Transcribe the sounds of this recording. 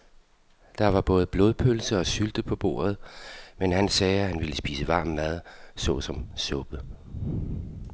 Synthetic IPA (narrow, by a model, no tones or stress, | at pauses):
d̥ɑ̈ʋɑ̈b̥ɔ̽ːð̞̩ˠəb̥lo̝ːð̞ˠpʰølsəɒ̽syld̥əpʰɒ̽b̥o̝̰ːɐð̞̩ˠmenhænsɛːæhænʋiləsb̥ḭːsəʋɑ̈ːmːæð̞ˠsɔ̰̽sɒ̽msɔ̽b̥ə